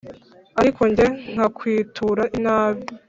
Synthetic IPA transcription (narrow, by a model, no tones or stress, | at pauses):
aɾiko̞ɲɟeŋ̥hakwiːtʰuɾaʔinaːβi